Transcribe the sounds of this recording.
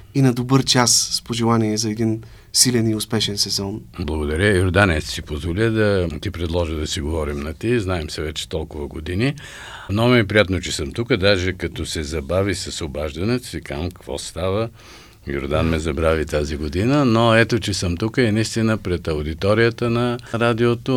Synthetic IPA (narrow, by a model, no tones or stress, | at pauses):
inɐd̪obɤɾt͡ʃasspoʒɛlˠaniɛzɐɛd̪in | silʲɛniʊspɛʃɛnsɛzɔnblˠɐɡod̪ɐɾʲəjoɾd̪anɛssipozvolʲəd̪ɐt̪ipɾɛd̪lˠɔʒəd̪ɐsiɡovɔɾimnɐt̪iznaɛmsɛvɛt͡ʃɛ̥t̪ɔlˠkʊvəɡod̪ini | nomɛɛpɾijat̪not͡ʃɛsəmt̪ukəd̪aʒɛkɐt̪ɔsɛzɐbavisɐsobaʒd̪ɐnɛt̪o̥sikamkɐ̥kvɔ̰st̪avə | jo̰ɾd̪anmɛzɐbɾavit̪aziɡod̪inənoɛt̪ot͡ʃɛsəmt̪ukəɛnɐist̪inəpɾɛt̪ɐwʊd̪it̪ɔɾijət̪ənɐɾad̪iot̪o